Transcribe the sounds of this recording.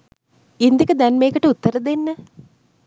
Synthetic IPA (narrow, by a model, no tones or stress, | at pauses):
ind̪ikəd̪ænmeːkəʈəut̪ːəɾɐd̪enːə